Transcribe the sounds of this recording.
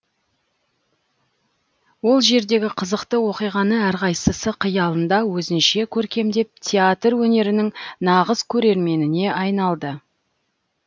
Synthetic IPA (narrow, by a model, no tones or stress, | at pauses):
wo̞lˠʒe̞ɾd̪e̞ɡʲɪqʰəzəqt̪əwo̞qijʁɑnəæɾqɑjsəsəqʰəjɑlˠənd̪ɑwɵzɪnʃe̞kʲʰɵɾkʲe̞md̪e̞p̚t̪ʲʰeat̪rwɵne̞ɾɪnɪŋnɑʁəzkʲʰɵɾe̞ɾme̞nɪne̞ʔɑjnɑlˠd̪ə